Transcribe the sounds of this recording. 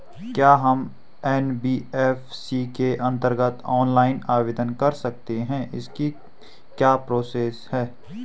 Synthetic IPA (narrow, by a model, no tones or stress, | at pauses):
kjaːɦɐm | ɛːnbiːɛfsikeʔɐ̃nt̪əɾɡət̪ɔːnlaːɪnaːʋeːd̪ənkɐɾsɐk̚t̪eɦɛ̃ʔɪ̰ski | kjaːpɾoːseːshɛː